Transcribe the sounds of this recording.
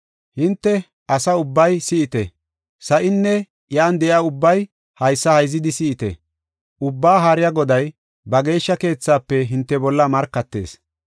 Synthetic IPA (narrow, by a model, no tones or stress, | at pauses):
hɪnt̪ːɛ | ɐsɐʊbːɐjsɪʔɪt̪ɛ | sɐʔɪnːɛ | jaːnd̪ɛʔɪaːʊbːɐj | hɐjsːɐhɐjzːɪd̪ɪsɪɪt̪ɛ̰ | ʔʊbːaːɦaːɾɪjaɡɔd̪ɐj | bɐɡe̞ːʃːɐke̞ːt͡sːaːpːɛɦɪnt̪ːɛbɔlːɐmɐɾkːɐt̪ːe̞̰ːs